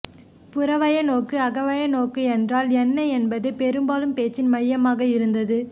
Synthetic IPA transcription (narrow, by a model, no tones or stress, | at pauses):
pʊɾɐʋɐjɐnoːkːɯɐɣɐʋɐjɐnoːkːɯɛndraːlɛnːɐɛnbɐðɯpɛɾɯmbaːlɯmpeːt͡ʃːɪnmɐjːɐmaːɣɐɪɾɯnd̪ɐðɯ